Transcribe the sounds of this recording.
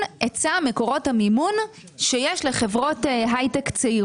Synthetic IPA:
et͡sameko̞ʁo̞thamimun | ʃejeʃle̞χevʁo̞tɦajtekt͡sei

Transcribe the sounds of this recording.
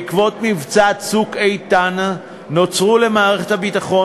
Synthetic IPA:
kvo̞tmivt͡satsukejt̪anː | ot͡sʁule̞maːʁeχethabitaχo̞

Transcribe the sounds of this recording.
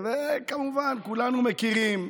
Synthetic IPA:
vekamuvankulanumekiɾim

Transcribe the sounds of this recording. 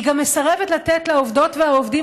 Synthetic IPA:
ɡamːesaʁevet̪lat̪et̪laovd̪o̞tvehaovd̪im

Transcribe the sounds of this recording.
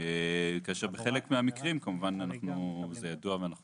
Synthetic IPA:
ekaʃeʁbeχe̞lekmeamikʁimkamuvananaχnuzejaduaveanaχ

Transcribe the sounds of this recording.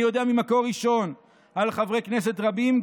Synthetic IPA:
ijo̞d̪eamimako̞ʁiʃo̞n | alχavʁe̞kne̞s̬e̞t̪ʁabimɡ

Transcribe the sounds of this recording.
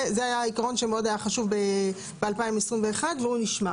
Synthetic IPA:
zeajaikaʁo̞nʃemeo̞d̪ajaχaʃuvbe | b̥ealpaimesʁimveːχad̪veuniʃma

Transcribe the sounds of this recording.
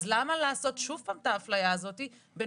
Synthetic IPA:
zlamalaːso̞tʃuvpaːmt̪aːflajaːzo̞t̪i | be

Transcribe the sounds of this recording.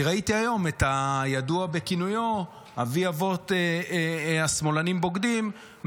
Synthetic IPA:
ʁait̪iajo̞met̪ajaduabe̞kinujo̞ | a̰viavo̞t̪e | asmo̞lanimbo̞ɡd̪im

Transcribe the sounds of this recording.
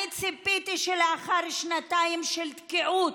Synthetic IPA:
it͡sipit̪iʃeleaχaɾʃnat̪aimʃelt̪kiʔut

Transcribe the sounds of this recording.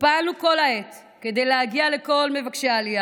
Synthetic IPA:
palnuko̞laet | ke̞d̪ejlehaɡiale̞ko̞lme̞vakʃeaːlija

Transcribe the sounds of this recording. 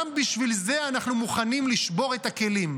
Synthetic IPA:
mbiʃvilze̞anaχnumuχanimliʃbo̞ʁe̞t̪ake̞lim

